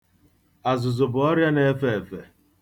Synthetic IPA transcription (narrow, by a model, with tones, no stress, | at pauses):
a˨zʊ˨zʊ˨bʊ˨ɔ˦ɾja˦ne˦fe˦˨e˨fe˨